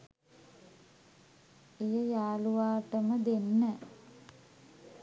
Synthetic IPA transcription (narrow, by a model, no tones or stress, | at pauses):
ejəjaːluʋaːʈəməd̪enːə